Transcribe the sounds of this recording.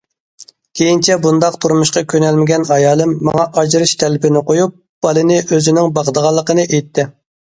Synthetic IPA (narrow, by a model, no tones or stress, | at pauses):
kʲʰejint͡ʃʰɛbund̪ɑqt̪ʰuɾmuʃqɑkʲʰønɛlmɪɡʲɛnɑjɑːlˠɨmːɑ̰ŋɑʔɑd͡ʒɾɨʃt̪ʰɛlɪpʰɪnɪqojup̚ | b̥ɑlˠɨnɪʔøzɪnɪŋbɑqəd̪əʁɑlˠːəqənɨʔejt̪ʰːɪ